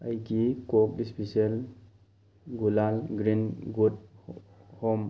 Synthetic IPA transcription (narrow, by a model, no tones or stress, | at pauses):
ajkikɔk̚ispisel | ɡulalɡɾinɡut̚ | hɔm